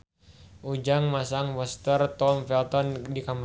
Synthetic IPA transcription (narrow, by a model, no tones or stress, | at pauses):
ʔud͡ʒaŋmasaŋwɔst̪ərt̪ɔmfɛlt̪ɔndikam